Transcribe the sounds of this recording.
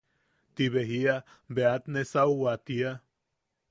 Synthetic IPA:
t̪iβeɦia | beat̪nesauwat̪ia

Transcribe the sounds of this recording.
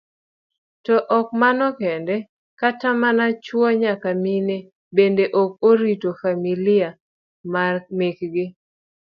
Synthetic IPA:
tɔʔɔk̚manɔkɛndɛ | katamanat͡ʃwɔɲakamine | bendeʔɔk̚oɾitofamilɪa | mamekɡɪ

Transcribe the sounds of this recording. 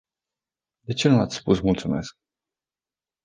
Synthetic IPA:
d̪e̞t͡ʃe̞nuat̪sʲspusmult̪sume̞̰sk̚

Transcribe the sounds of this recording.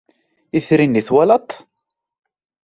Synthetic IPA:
iθɾiniθwalɑt̪ˤ

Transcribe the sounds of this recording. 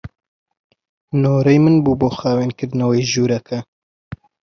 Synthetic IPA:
noːɾejmɨnbuːboːxaːweːnkɨɾnɐwejʒuːɾɛkʰɐ

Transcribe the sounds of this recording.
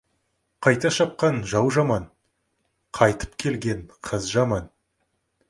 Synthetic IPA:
qʰɑjt̪ɑʃɑp̚qɑnʒɑwʒɑmɑn | qʰɑjt̪ə̥p̚kʲʰe̞lɡʲe̞ɴqʰəzʒɑmɑn

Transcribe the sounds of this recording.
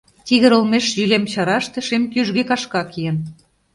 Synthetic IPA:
t̪iɣə̆ɾŏlmeʃʒylemt͡ɕɑɾɑʃt̪ĕʃemk̪ʲyʒɣekɑʃkɑkijə̆n

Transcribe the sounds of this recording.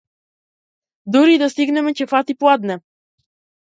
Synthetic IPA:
d̪uɾid̪ast̪iɡnɛmɛt͡ʃɛfat̪iplˠad̪nɛ

